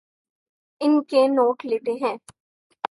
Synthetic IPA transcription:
ɪnkenoːʈleːt̪eɦɛ̃ː

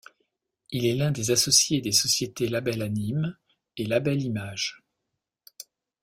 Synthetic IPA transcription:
ilɛlɛ̃d̪ezasɔsjed̪esɔsjet̪elabɛlanim | elabɛlimaʒ̥

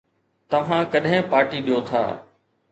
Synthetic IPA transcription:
t̪ɐʋ̤ãːkɐɗɦɪ̃paːʈiːɗijot̪ʰa̰ː

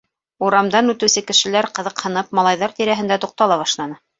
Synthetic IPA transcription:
uɾɑmd̪ɑnʉt̪ɘ̆wsɘkɘ̆ʃɘ̆læɾqɤ̆ðɤ̆qhɤ̆nɤpmɑlˠɑjðɑɾt̪iɾæɦɘ̆nd̪æt̪uq̚t̪ɑlˠɑβɑʃlˠɑnɤ

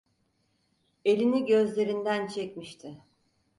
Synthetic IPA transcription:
e̞lʲiniɟø̞zlʲe̞ɾind̪ænt͡ʃʰɛcmiʃt̪ʰɪ

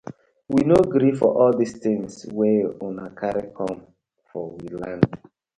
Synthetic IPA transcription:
winoɡɾifɔ̰ʔɔldistĩŋsweɔ̃nakʰaɾekʰɔ̃m | fɔwilãnd

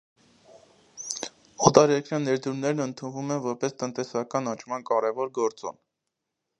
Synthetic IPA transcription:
ɔt̪ɑɾjɛɾkɾjɑnːɛɾd̪uɾnɛɾnənt̪ʰunvumɛnvɔɾpɛst̪ənt̪ɛsɑkɑnɑnt͡ʃʰmɑnkɑɾɛvɔɾɡɔɾt͡sɔ̰n

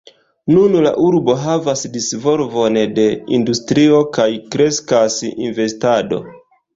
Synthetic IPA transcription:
nunla̰ʔuɾbo̞ɦavasdisvo̞lvo̞nde̞industɾio̞kajkɾe̞skasḭnve̞stado̞̰

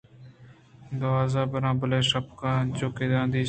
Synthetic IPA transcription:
d̪əʋaːzãːbəɾãːbəleːʃəpkãːd͡ʒoːkeːd̪ãːnd̪iː

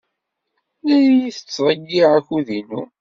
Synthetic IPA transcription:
æjiθə̥t͡sːɾˤəɡːiʁæçuðinṵ

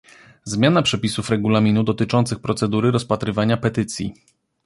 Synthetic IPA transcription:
zmʲjanapʂɛpʲisufɾɛɡulamʲinud̪ɔt̪ɘt͡ʂɔnt̪sɘxpɾɔt̪sɛd̪uɾɘɾɔspat̪ɾɘvaɲapɛt̪ɘt̪sʲjḭ

